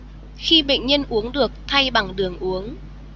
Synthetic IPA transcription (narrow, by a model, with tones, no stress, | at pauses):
xi˧ɓḛ˧˨ŋ̟ɲə˧nʔu˨˦əŋɗɨ˨˩ək̚t̪ʰa˧jɓa˨˧˩ŋɗɨ˨˩əŋʔu˨˦əŋ